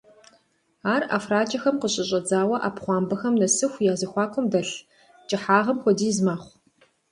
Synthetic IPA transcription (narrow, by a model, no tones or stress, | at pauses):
aːra̰ːfraːt͡ʃʼɐxɐmqəɕʼɪɕ̬ʼɐd͡zaːwɐʔa̰ːpχʷɑːmbɐxɐmnɐsɨxʷjaːzɨxʷɑːkʷʰʼʊmdɐɬ | t͡ʃʼɪħaːʁɐmxʷɔdiːzmaːχʷ